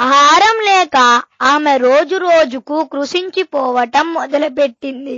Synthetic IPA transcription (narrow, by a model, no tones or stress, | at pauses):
ɐaːɾɐmlɛːkɐaːmeɾoːd͡ʒuɾoːd͡ʒukukɾuʂiɲt͡ʃipɔːʋɐʈɐmːɔd̪ɐlupeʈːind̪i